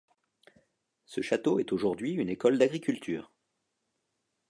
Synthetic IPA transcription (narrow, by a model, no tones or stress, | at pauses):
səʃat̪oɛt̪oʒuʁd̪ɥiynekɔld̪aɡʁikʲylt̪ʰy̰ːʁ